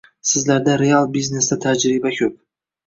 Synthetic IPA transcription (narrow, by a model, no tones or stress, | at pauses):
sɪzlaɾd̪aɾe̞alˠbizne̞sd̪at̪ʰad͡ʒɾɪbakʲʰɵp̚